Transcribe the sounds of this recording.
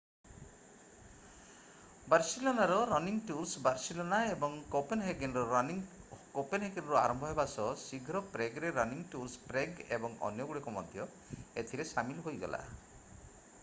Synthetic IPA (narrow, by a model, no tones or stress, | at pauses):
baɾsilonaɾɔɾɔniŋʈuɾsbaɾsilonaebɔŋkopenɦeɡenɾɔ | kopenɦeɡenɾɔa̰ɾɔmbʱɔɦebasɔsiɡʱɾɔpɾeɡɾeɾɔniŋʈuɾspɾeɡebɔŋɔ̰njɔɡuɽikɔmɔd̪ʱjɔ | et̪ʰiɾesamilɦojɡɔ̰la̰